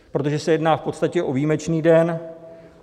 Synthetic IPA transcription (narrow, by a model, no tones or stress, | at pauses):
pɾo̞t̪oʒɛsɛjɛdnaːfpo̞t̪st̪acɛʔo̞viːmɛt͡ʃniːdɛn